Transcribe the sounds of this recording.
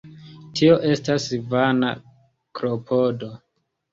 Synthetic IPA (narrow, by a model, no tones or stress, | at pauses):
tʰio̞ʔe̞stasvana̰ | kɾopʰodo̞